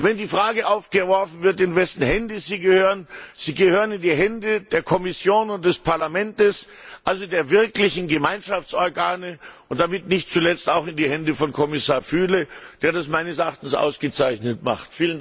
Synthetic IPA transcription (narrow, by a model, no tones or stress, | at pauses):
vɛndiːfʁ̥aːɡəʔaʊfɡ̥əvɔɐfn̩vɪɐtɪnvɛsn̩hɛndəziːɡəhøːʁənz̥iːɡəhøːʁənɪndiːɦɛndəd̥eːɐkʰɔmɪsjoːnʊnt̚d̥ɛspʰaɐlamɛntəs | ʔalzodeːɐvɪɐklɪçn̩ɡəmaɪnʃaft͡sʔɔɐɡaːnəʔʊnt̚d̥amɪtnɪçt̚t͡sulɛt͡staʊxɪndiːhɛndəfɔnkʰɔmɪsaːɐfyːləd̥eːɐdasmaɪnəsʔaχtn̩sʔa̰ʊsɡ̥ət͡saɪçnətma̰χtfiːlən